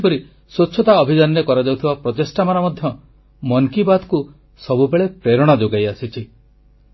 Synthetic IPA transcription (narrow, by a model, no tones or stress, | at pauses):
pɔɾi | soːt͡ʃʰːɔt̪aɔbʱid͡ʒanɾekɔɾad͡ʒawt̪ʰibapɾɔt̪esʈamaɾamɔd̪ʱjɔ | mɔŋkibad̪ku | sɔbubeɭepɾeɾɔɽ̃ad͡ʒoɡajasit͡ʃʰi